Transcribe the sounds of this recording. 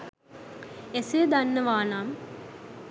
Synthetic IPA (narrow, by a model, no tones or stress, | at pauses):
esijəd̪anːəʋaːnaːm